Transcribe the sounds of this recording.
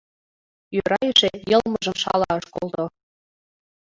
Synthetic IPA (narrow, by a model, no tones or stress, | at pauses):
jøɾɑjəʃejɤlmɤʒə̆mʃɑlɑɤʃkolˠt̪o